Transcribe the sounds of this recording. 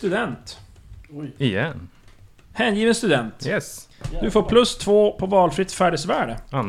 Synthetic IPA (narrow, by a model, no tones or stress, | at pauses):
t̪ɵd̪ɛnt̪ | ɪjɛn | hɛːnjiːvənst̪ɵd̪ɛnt̪jɛsd̪ɵfoːɾpʰlɵst̪ʰvoːpʰɔvɑːlfɾɪt̪ːfæːɖəsvæːɖəan